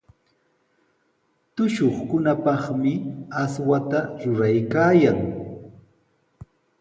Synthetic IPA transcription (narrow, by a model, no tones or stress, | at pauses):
t̪ʊʃoχkʊnapɑχmɪaswat̪aɾʊɾajkaːjaŋ